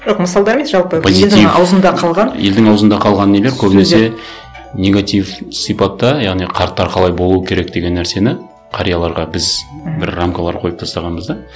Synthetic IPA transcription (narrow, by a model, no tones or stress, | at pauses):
ʒoqməsɑlˠd̪ɑɾemesʒɑlˠpəpʰozilt̪iɑ̰wzənd̪ɑqʰɑlˠʁɑnje̞̰ld̪ɪŋɑwzənd̪ɑqʰɑlˠʁɑnːe̞le̞ɾkʲʰɵbɪnese̞ | nʲe̞ɡat̪ivsijpɑt̪ːɑjɑʁnijqʰɑɾt̪ːɑɾqʰɑlˠɑjbo̞lˠuwəkʲʰe̞ɾe̞kd̪e̞ɡʲe̞nːæɾse̞nɪ | qʰɑɾijɑlˠɑɾʁɑbɪzbɪɾramkalˠɑɾqʰo̞jəp̚t̪ʰɑst̪ɑʁɑnbəzd̪ɑ